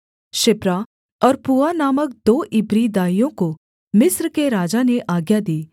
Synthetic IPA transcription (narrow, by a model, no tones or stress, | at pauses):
ʃɪpɾa | ɔːɾpuːanaːmək̚d̪oːʔɪbɾid̪aːijõko | mɪsɾkeɾaːd͡ʒaneʔaːɡjad̪iː